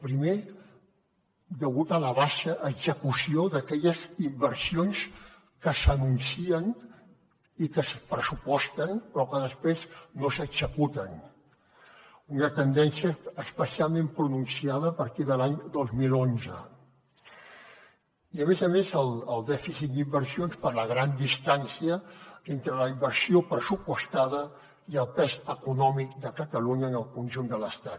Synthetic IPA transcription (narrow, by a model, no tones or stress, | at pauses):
pɾime | d̪əɣut̪ələβaʃəʔːɡzəkusioðəkɛʎəzimbəɾsions | kəsənunsiən | ikəspɾəsupɔst̪ənpɾɔkəðəspɾeznosəɡz̥əkut̪ən | unət̪ənd̪ɛnsiəːspəsialˠmẽmpɾununsiaðəːpəɾt̪iðəlaɲd̪ozmilonzə | iəmezəmezəlˠəlˠd̪ɛfisit̪̚d̪imbəɾsionspəɾləɣɾand̪ist̪ansiəent̪ɾələimbəɾsiopɾəsupust̪aðə | iəlˠpɛzəkunɔmik̚d̪əkət̪əluɲəːnəlˠkunʲʒund̪ələst̪at̪